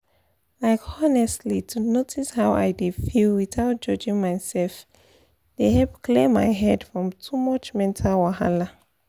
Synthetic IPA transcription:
laɪkɔnɛstlitʰunotʰishaʊʔa̰jdefilwiθaʊt̚d͡ʒʌd͡ʒĩŋmaɪsɛlf | d̥ehɛpkʰlẽmːajɦɛdfɹɔ̃mtʰumʌt͡ʃmɛ̃ntʰawaha̰la

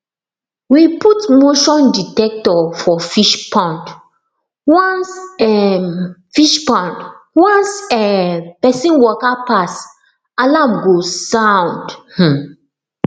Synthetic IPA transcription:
wiputmoʃɔ̃nditɛk̚tɔfɔfiʃpʰãnt | wɔ̃nsɛ | fiʃpãnt | wãnsɛpɛsĩnwɔkapas | alãmɡosãʊ̃ndh̩

